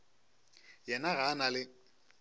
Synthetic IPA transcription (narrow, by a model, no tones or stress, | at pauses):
jɛnaɣanalɪ